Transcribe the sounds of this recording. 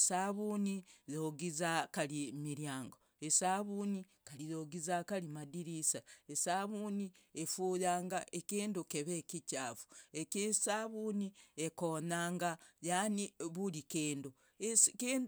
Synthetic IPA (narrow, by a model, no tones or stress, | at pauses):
esaβuːnijoɡizakalimiɾjaːŋɡo | esaβuːni | kaliðoɡizakalimadiɾisaesaβuːniefuːðaːŋɡaʔekeːndukeβekicaːvuekisaβuːniekoːnaːŋɡajaniβulikeːndo | ekeːnd